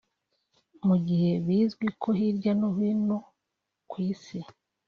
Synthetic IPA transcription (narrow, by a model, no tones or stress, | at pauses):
muɟihe̞βiːzɡwikʰo̞hiɾɟanuβino | kwiːsi